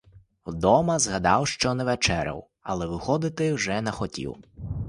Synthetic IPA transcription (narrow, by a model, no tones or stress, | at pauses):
wd̪ɔmɐzɦɐd̪ɑwʃt͡ʃɔnɛʋɛt͡ʃɛɾɐ̰w | ɐ̰lˠɛʋɪxɔd̪ɪt̪ɪwʒɛnɐxɔtʲḭw